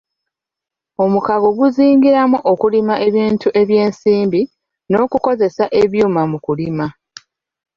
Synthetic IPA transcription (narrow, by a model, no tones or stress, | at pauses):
o̞mukaɡoɡuziːŋɡiɾamuʔokulimaʔe̞βiːntuʔe̞βje̞ːnsiːmbi | no̞ːkuko̞ze̞saʔe̞βjuːmamukulima